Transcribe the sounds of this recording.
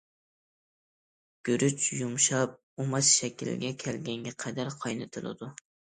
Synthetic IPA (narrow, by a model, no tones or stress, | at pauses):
ɡ̥ʲøɾyt͡ʃjumʃɑp̚ | umɑt̪ʃɛkʲilɡʲɛkʲʰɛlɡʲɛŋɡʲɛqʰæd̪æɾqʰɑjnɨt̪ʰɨlˠɪ̰d̪u